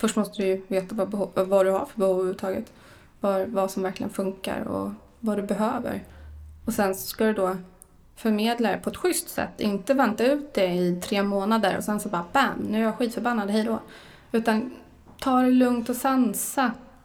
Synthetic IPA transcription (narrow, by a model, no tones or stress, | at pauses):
fœʂʈmɔst̪əd̪ɪjɵveːt̪avabɛvad̪ɵha̰ɾfœɾbɛhuvʉːvət̪ʰɑːɡət̪ | vavasɔmvæɾklɪ̰ɡə̰nfɵŋka̰ɾɔ̰ | vad̪ɵbɛɦøːvə̰ɾɔsɛnsɔskad̪ɵd̪ɔ | fœɾmeːd̪laɾɛpʰɔɛt̪ɧʏst̪sɛ̰t̪ːɪnt̪əvɛnt̪aʉ̟ːt̪̚d̪ɛɪt̪ʰɾeːmoːnad̪əɾɔ̰sɛnsɔbɑːbænnʉ̟ːaɾjaɧiːt̪fœɾbanːad̪ɦɛjd̪ɔ | ʉ̟ːt̪an | t̪ʰɑːɖɛlɵŋt̪ɔsansa